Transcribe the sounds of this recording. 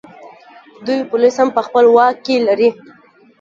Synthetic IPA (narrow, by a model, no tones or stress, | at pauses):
d̪ujpʊlishampəxpəlwɑkːelaɾi